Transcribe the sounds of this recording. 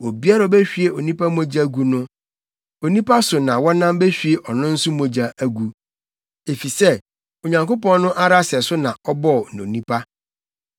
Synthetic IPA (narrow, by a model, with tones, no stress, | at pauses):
o˨bi˦a˦ɾa˨o˨be˦ɕᶣi˦e˦o˨nĩ˦pa˦mõ˦d͡ʑa˦ɡu˨nʊ̃˦ | o˨nĩ˦pa˦sʊ˨nã˨wɔ̃˦nã˦mbe˦ɕᶣi˨e˨ʔɔ˨nʊ̃˦n̩˦sʊ˦mõ˨d͡ʑa˨ʔæ˨ɡu˨ | e˨fi˨sɛ˦ | o˨ɲã˨ŋko˦pɔ̃˦n˦nʊ̃˦ʔa˦ɾa˦sɛ˨sʊ˦nã˨ɔ˦bɔ˦˨n˨õ̰˨nĩ˦pʰa˦